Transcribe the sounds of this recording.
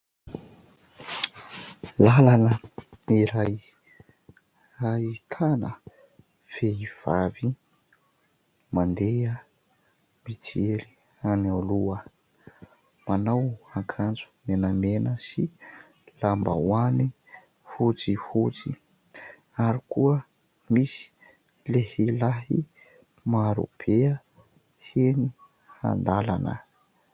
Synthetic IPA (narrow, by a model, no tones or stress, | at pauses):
lalanəiɾaj | ait̪ʰanə | feiv̥avi | mand̪eə | mit͡sieɾi | analuə | manawaŋkʰant͡su̥menəmenəsi | lamba̰wani | fut͡sifut͡si | aɾikuə | misi̥ | lehilaɦḭ | maɾṵpʰeə | heni | ha̰nd̪alanə̰